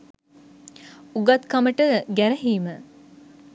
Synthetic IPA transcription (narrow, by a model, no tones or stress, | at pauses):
uɡat̪kaməʈəɡæɾəɦiːmə